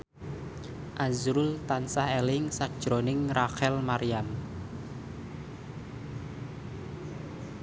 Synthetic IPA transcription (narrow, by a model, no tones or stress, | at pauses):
ʔazɾʊlt̪ansahelɪŋsad̥ʒ̥ɾonɪŋraxɛlmaɾian